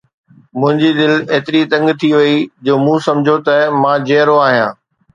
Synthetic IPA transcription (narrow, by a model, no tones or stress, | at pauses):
mʊ̃ɦɪ̃ɲd͡ʑid̪ɪleːt̪ɪɾit̪ɐ̃ŋɡt̪ʰiʋɐid͡ʑoːmũːsɐ̃md͡ʑʱot̪ɐmãːd͡ʑeːɾoaːɦijãː